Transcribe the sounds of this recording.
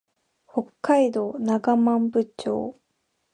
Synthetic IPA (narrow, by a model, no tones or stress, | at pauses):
ho̞kːaid̪o̞ːnaɡamãmbɯ̟t͡ɕo̞̰ː